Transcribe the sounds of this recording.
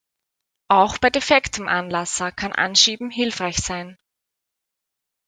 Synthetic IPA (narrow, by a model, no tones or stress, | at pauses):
ʔaʊxb̥aɪdefɛktəmʔanlasɐkʰanʔa̰nʃiːbm̩ɦɪlfʁ̥aɪçsaɪn